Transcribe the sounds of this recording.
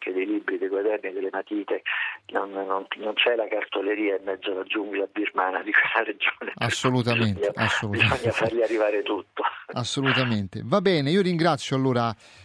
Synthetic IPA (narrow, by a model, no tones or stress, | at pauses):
k̟ed̪ejlibɾid̪ejɡwad̪ɛrnid̪elemat̪iːt̪enonːonnont͡ʃɛlakart̪oleɾiːaimːɛd̪zːolad͡ʒːuŋɡilabirmaːnad̪ikwelːaɾed͡ʒoːneasːolut̪amenɲasːolubizɔɲːafarʎiarːivaːɾet̪ut̪ːoasːolut̪ament̪ḛvabːɛːneiːoɾiŋɡɾat̪sːjoalːoːɾa